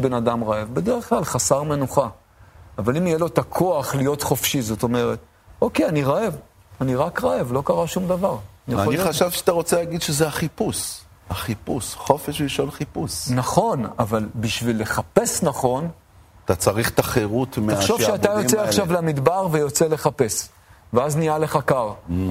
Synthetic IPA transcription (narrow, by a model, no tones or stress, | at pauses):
be̞nad̪amʁaevbe̞d̪eʁeχklalχasaʁme̞nuχaː | valimijelo̞t̪akʰo̞aχlijo̞t̪χo̞fʃizo̞t̪o̞meʁe̞t̪ | o̞keaniʁae̞v | aniʁakʁae̞vlo̞kaʁaʃumd̪avaʁnijaaoniaʃavʃat̪aʁot͡selaːɡid̪ʃezeaχipus | haχipusχo̞feʃliʃolχipusnaχo̞navalbiʃvilːe̞χapesnaχo̞n | at̪at͡saʁiχt̪aχeʁut̪meaχʃovʃeaajo̞t͡seaχʃavlamid̪baʁvejo̞t͡se̞le̞χape̞s | veaznijale̞χakaʁ